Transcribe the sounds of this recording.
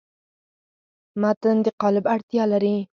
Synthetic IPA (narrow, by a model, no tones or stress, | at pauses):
mat̪ənd̪ɪqɑlɪbaɾt̪ijɑlaɾi